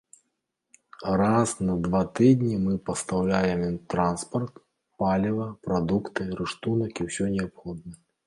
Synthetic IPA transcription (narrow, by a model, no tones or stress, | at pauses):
rasnɐd̪vat̪ɨd̪ʲnʲimɨpɐst̪awlʲajɛmt̪ɾanspɐrt̪ | palʲivɐpɾad̪ukt̪ɨɾɨʂt̪unɐkʲiwsʲɔnʲɛapxɔd̪̚nɐ